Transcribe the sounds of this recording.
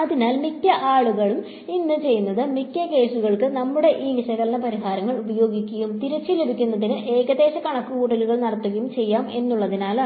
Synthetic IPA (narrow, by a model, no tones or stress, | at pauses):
ɐðinaːlmikʲːɐʔaːɭuɣɐɭum | inːɨt͡ɕe̞jːunːɐðɨmikʲːɐke̞ːsuɣɐɭkɨnɐmːuɽe̞ʔiːʋiʂɐjɣɐlnːɐpɐɾiɦaːɾɐŋːɐɭubɐjo̞ːɡikʲːɐjumt̪iɾɐt͡ɕːile̞bʱikʲːunːɐðinɨʔe̞ːɣɐðe̞ːɕɐkɐɳɐkːukuːʈːɐluɣɐɭnɐɽɐt̪ːuɣɐjumt͡ɕe̞jːaːme̞nːuɭːɐðinaːl